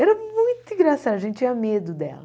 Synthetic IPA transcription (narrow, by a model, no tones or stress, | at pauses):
ɛɾɐmũj̃t̪ʊĩɡɾasad̪ɐʒẽt̪ɪt͡ʃĩɲɐmed̪ʊd̪ɛ̰lɐ